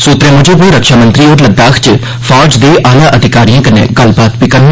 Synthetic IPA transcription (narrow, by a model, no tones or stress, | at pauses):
soːt̪ɾẽːmʊd͡ʒʱõːbiːɾəkʃaːmə̃nt̪ɾiːoːɾləd̪aːkʰt͡ʃ | fʰaːd͡ʒd̪eːʔaːlaːʔəd̪ʱɪkaːɾijãːkənḛ̃ːɡəlbaːt̪piːkəɾnː